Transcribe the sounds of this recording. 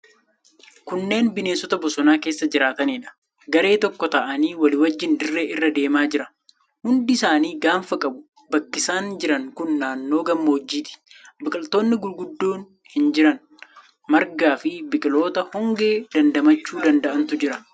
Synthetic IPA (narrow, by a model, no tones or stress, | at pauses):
kʊnːe̞ːnbɪne̞ːsɔt̪ɐbɔsɔnaːke̞ːsːɐd͡ʒɪɾaːt̪ɐniːᶑɐ̥ | ɡɐɾe̞ːt̪ɔkːɔt̪ɐʔɐniːwɐlɪwɐd͡ʒːɪnd̪ɪrːe̞ːʔɪrːɐd̪e̞ːmaːd͡ʒɪɾɐ | hʊnd̪ɪɪsaːniːɡaːɱfɐkʼɐbʊ | bɐkːɪsaːnd͡ʒɪɾɐŋkʊnːaːnːo̞ːɡɐmːoːd͡ʒːiːt̪ɪ̥bɪkʼɪlt̪oːnːɪɡʊlɡʊd̪ːoːn | hɪnd͡ʒɪɾɐn | mɐɾɡaːfɪbɪkʼɪlo̞ːt̪ɐhɔŋɡe̞ːd̪ɐnd̪ɐmɐt͡ʃːuːd̪ɐnd̪ɐʔɐnt̪ʊd͡ʒɪɾɐ